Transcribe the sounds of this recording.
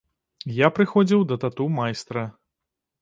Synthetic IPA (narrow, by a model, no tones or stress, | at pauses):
japɾɨxɔd͡zʲiwd̪ɐt̪at̪umajst̪ɾɐ